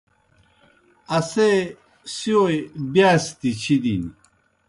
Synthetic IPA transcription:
ɐse | siojbiaːst̪it͡ɕʰid̪ini

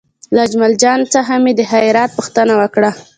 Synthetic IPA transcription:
lad͡ʒmald͡ʒɑnt͡səɦamed̪əɦajɾɑt̪̚pəxt̪ənawəkɽa

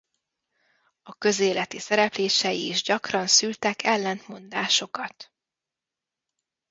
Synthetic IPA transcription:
ɒkø̞zeːlɛt̪isɛɾɛpleːʃɛjiːʒɟɒkrɒnsylt̪ɛkʰɛlːɛnt̪mo̞nd̪aːʃo̞kɒt̪

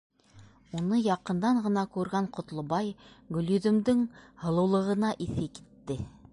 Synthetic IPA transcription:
unɤjɑqɤ̆nd̪ɑɴɢɤ̆nɑkʉɾɡæɴqŏt̪lˠŏbɑjɡɵ̆ljɵ̆ðɵ̆md̪ɘŋhɤ̆lˠɤ̆wlˠɤ̆ʁɤ̆nɑʔiθɘki̥t̪ːɘ

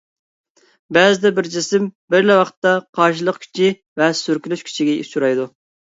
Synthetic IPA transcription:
bɛzɪd̪ɛbɪɾd͡ʒɪsɪmbɪɾlɛwɑqt̪ːɑqʰɑɾʃ̬ɨlˠəqkʲʰy̥t͡ʃʰi | vɛsyɾkʲilyʃkʲʰy̥t͡ʃʰiɡʲɛḭsuɾɑjd̪u

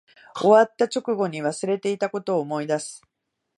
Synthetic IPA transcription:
o̞βat̪ːat͡ɕo̞kɯ̟ɡo̞ɲ̟iβasɨɾe̞t̪e̞it̪ako̞t̪o̞ːmo̞id̪asɨ̥

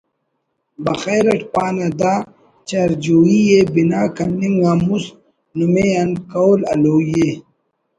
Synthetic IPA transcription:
bɐxeːɾɐʈpaːnɐd̪aː | t͡ɕɐɾd͡ʑoːijebinaːkɐnːiŋwaːmus | numeɐnkawlɐ̰loːje

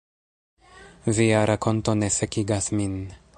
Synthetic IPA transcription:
viaɾakʰo̞nto̞ne̞sekiɡasmin

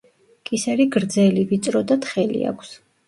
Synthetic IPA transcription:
kʼisɛɾiɡɾd̪zɛlivit̪sʼɾɔd̪at̪χɛlḭa̰kʰs

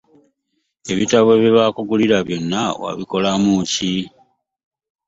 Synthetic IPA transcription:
e̞βitaβwe̞βiβakuɡuliɾaβjo̞nːawa̰βiko̞lamuci

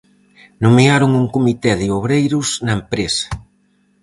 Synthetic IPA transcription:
nomeaɾʊŋuŋkomit̪ɛðɪoβɾejɾʊsnɐempɾesɐ̥

